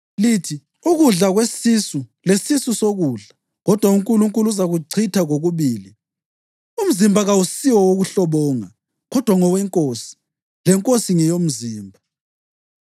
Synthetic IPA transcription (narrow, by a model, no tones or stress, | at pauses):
litʰi | uɣuɮaɣwesisulesisusoɣuːɮa | ɣɔd̥ʱwauŋkʼuluŋkʼuluzaɣuǀʰitʰaɣoɣuβiːli | um̩zimbʱaɣausiwɔwoɣuɬɔβɔːŋa | ɣɔd̥ʱwaŋɔwɛŋkʼoːsi̥ | lɛŋkʼosiŋɛjom̩ziːmbʱa